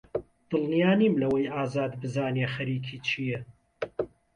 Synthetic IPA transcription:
d̪̥ɨlnijaːniːmlɐwɐjʔaːzaːd̪bɨzaːnexɐɾiːkʰiːt͡ʃʰijɛ

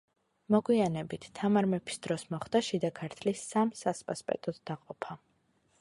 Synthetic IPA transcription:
mɔɡwianɛbit̪ʰt̪ʰːamaɾmɛpʰi̥sd̪̥ɾɔsmɔχd̪̥aʃid̪akʰaɾt̪ʰlisamsaspʼaspʼɛ̰t̪ʼɔd̪ːaqʼɔpʰa

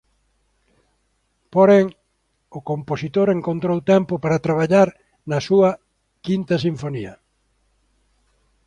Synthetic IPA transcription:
poɾɛŋ | ʊkomposit̪oɾeŋkont̪ɾowt̪ɛmpʊpaɾɐt̪ɾaβaʎaɾ | nɐsuɐ | kint̪ɐsiɱfoniɐ

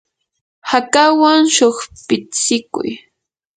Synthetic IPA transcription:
hakawaŋʃoχpɪt͡sɪkʊ̰j

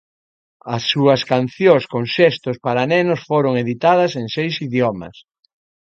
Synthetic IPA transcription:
ɐsːuɐskan̟θjõskoŋʃest̪ʊspaɾanenosfoɾoŋeðit̪að̞ɐseŋsejsiðjomɐ̰s

